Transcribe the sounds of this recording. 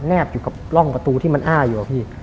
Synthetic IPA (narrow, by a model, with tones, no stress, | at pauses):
nɛː˥˩p̚juː˨˩ka˨˩p̚lɔ˥˩ŋpa˧t̪uː˧t̪ʰiː˥˩ma˧nʔaː˥˩juː˨˩a˨˩pʰiː˥˩